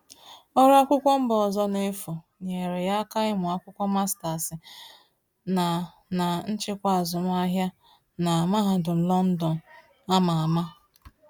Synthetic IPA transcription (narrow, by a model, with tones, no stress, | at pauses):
ɔ˦ɾa˦kʷʊ˦kʷɔ˦m̩˦bɔ˨zɔ˦ne˦fu˨ | ɲ˨e˨ɾe˨ja˦ka˦ɪ˦mʊ˨a˦kʷʊ˦kʷɔ˦ma˦sta˨sɪ˨ | na˨ | na˨n̩˦t͡ʃɪ˦kʷa˦a˨zʊ˨m˦a˦ɦja˦ | na˨ma˦ɦa˨dʊ˨m̩˨lɔ˦n̩˦dɔ˨n˨ | a˦ma˨a˨ma˦